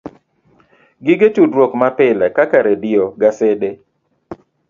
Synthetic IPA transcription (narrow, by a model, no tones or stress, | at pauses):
ɡɪɡet͡ʃudwokmapɪlɛkakaɾedɪɔɡasede